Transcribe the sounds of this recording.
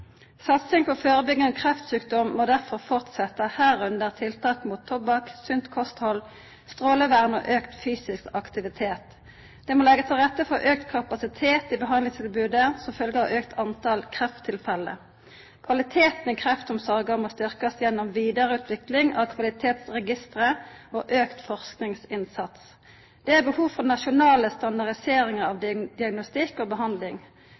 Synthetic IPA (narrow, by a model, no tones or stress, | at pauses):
sɑt̪sɪŋpʰɔføːʁəbʏɡənəkʰʁɛft̪syːkd̪ɔmːod̪æʁfɔʁfɔʁt̪sɛt̪ːəhæːʁʉnd̪əʁt̪ʰɪlt̪ʰɑːkmuːt̪ʰːɔbɑksʉnt̪kʰɔst̪hɔl | st̪ʁoːləʋæʁno̰ːʔøːkt̪fyːsɪskɑkt̪ɪʋɪt̪ʰeːt̪ | d̪̥ɛːmolɛɡət̪ʰɪlʁɛt̪ːəfɔʔøːk̚t̪kʰɑpɑsɪt̪ʰeːt̪ɪbəɦɑnlɪŋst̪ʰɪlbʉːd̪əsɔmfœlɡəhɑøːkt̪ʰɑnt̪ʰɑlkʰʁɛft̪ʰːɪlfɛlːə̰ | kʰʋɑlɪt̪ʰeːt̪nəkʰʁɛft̪ɔmsɑʁɡɑmɔst̪ʏʁkɑsjɛnːɔmʋiːd̪əʁəʉːt̪ʰʋɪklɪŋɑʋkʰʋɑlɪt̪ʰeːt̪sʁɛɡɪst̪ʁəoːʔøːkt̪fɔʁsknɪŋsɪnsɑt̪s | d̪̥ɛæʁbəhuːʋfɔʁnɑʃʊnɑːləst̪ɑnd̪ɑʁd̪ɪseːɾɪŋəɾɑʋd̪ɪd̪ɪɑɡnʊst̪ɪkːoːbəɦɑnd̪lɪŋ